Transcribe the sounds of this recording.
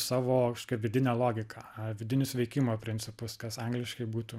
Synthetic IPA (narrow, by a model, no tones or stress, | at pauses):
sɑːʋoːkɐʃkoːkʲɛʋʲɪd̪ʲɪnʲɛlˠoːɡʲɪkɑːʋʲɪd̪ʲɪnʲʊsʋʲɛɪkʲɪmoːpʲɾʲɪnʲt͡ssʲɪpʊskɐsɐŋɡlʲɪʃkɐɪbuːt̪uː